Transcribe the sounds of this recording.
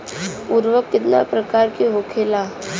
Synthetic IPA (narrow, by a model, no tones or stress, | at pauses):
ʊɾʋəkːɪt̪na̰pɾɐkaːɾkiɦoːkʰelaː